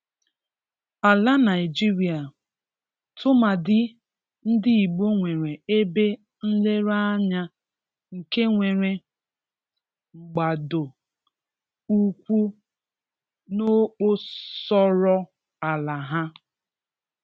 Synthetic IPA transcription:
a˨la˦na˨ɪ˨d͡ʒi˦ɾi˨a˨ | tʰʊ˦ma˨dɪ˦ | n̩˦dɪ˦i˨ɡ͡bo˦ŋʷe˨ɾe˨e˦be˦ | n̩˦le˦ɾa˦ɲa˦ | ŋ̩˨ke˦ŋʷe˨ɾe˨ | ŋ͡m̩˨ɡ͡ba˨do˨ | u˦kʷu˦ | no˦k͡po˦sɔ˦ɾɔ˦ | a˨la˨ɦa˦

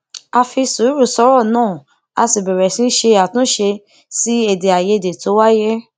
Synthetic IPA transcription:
a˧fi˧su˨˦ɾu˦˨sɔ˧˦ɾɔ˦˨nãː˦˨ | a˧si˨bɛ˨ɾɛ˨sĩ˧˦ʃe˧a˨tũ˨˦ʃe˧ | si˦e˨de˨a˨je˧˨de˨to˨˦wa˦jɛ˦

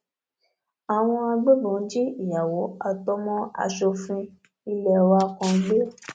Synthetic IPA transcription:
a˨w̃ɔ̃˧a˧ɡ͡be˦bɔ̃˨˦d͡ʒi˦i˦˨ja˨wo˨˦a˦˧˨tɔ˦mɔ̃˦a̰˧ʃo˧fĩ˧ | i˧lɛ˦˨wa˧kɔ̃˧ɡ͡be˦

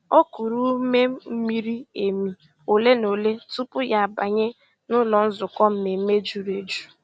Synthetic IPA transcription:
o˦ku˨ɾu˦me˦m˦m̩˦mi˦ɾi˦e˨mi˨ | o˨le˦no˨le˦tu˦pʊ˦ja˦˨ba˨ɲe˦ | nʊ˦lɔ˨n̩˦zʊ˨kɔ˦m̩˦me˨m̩˦me˦d͡ʒu˨ɾe˨d͡ʒu˦

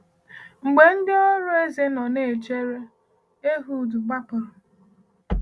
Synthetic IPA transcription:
ŋ͡m̩˨ɡ͡be˨n̩˦dɪ˦ɔ˦ɾʊ˦e˦ze˦nɔ˨ne˨t͡ʃe˦ɾe˦ | e˦ɦu˦˨du˨ɡ͡ba˦pʊ˨ɾʊ˨

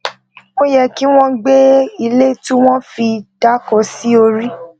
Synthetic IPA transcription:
mõ˦jɛ˧ki˦w̃ɔ̃˦ɡ͡be˦i˧le˦tũ˦w̃ɔ̃˦fi˧d̥a˦kɔ˨˧si˦o˧ɾi˦

